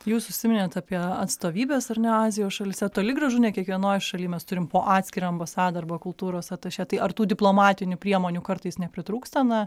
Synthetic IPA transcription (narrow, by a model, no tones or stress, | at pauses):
juːsʊʃʲsʲɪmʲɪnʲeːt̪ɑːpʲiɛɐt̪st̪oːʋʲiːbʲeːsɐrnʲɛɑːzʲɪjoːsʃɐlʲɪsʲɛt̪oːlʲɪɡɾɐʒʊnʲɛkʲiɛkʋʲiɛnoːjʃɐlʲiːmʲɛst̪ʊɾʲɪmpoːʔɑːt̪ʲsʲkʲɪɾʲoɐmbɐsɑːd̪ɐɐrbɐkʊlˠt̪uːɾoːsɐt̪ɐʃʲɛt̪ɐɪʔɐrt̪uːd̪ʲɪplˠoːmɑːt̪ʲɪnʲʊpʲɾʲiɛmoːnʲuːkɐrt̪ɐɪsnʲɛpʲɾʲɪt̪ɾuːkst̪ɐnɐ